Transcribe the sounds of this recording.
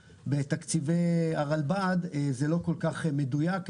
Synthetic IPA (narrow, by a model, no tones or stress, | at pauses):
bet̪akt͡siveaʁalbad̪ezelo̞ko̞lkaχme̞d̪ujak